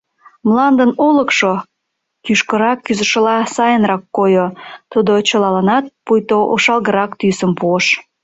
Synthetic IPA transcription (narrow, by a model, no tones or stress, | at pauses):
mlɑnd̪ənoləkʃo | kyʃkəɾɑkːyzə̆ʃə̆lɑsɑjənrɑkːojot̪ud̪ot͡ɕəlɑlɑnɑt̪̚pujt̪oʔoʃɑlɣəɾɑkt̪ysəmpuəʃ